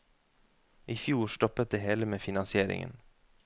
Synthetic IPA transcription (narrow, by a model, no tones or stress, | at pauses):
ʔiːfjuːɾʃt̪ɔpət̪̚d̪eːheːləmeːfɪnɑnsɪeːɾɪ̰ŋə̰n